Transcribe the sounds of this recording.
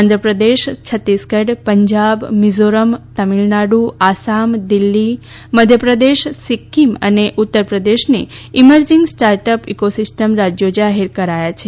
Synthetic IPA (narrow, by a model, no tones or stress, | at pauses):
and̪ʱɾəpɾəd̪eʃt͡ʃʰət̪ːiskəɖpəɲd͡ʒabmizoɾəmt̪əmilnaɽuasamd̪ilːi | məd̪ʱjəpɾəd̪eʃsikʰːimə̰neʔut̪ːəɾpɾəd̪eʃneiməɾd͡ʒĩŋɡsʈaɾʈəpikosɪsʈəmɾad͡ʒjod͡ʒaɦeɾkəɾajat͡ʃʰe